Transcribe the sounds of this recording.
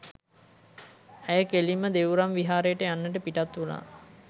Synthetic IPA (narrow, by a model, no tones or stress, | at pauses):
æjəkelimːəd̪eʋuɾamʋiɦaːɾəjəʈəjanːəʈəpiʈat̪una̰ː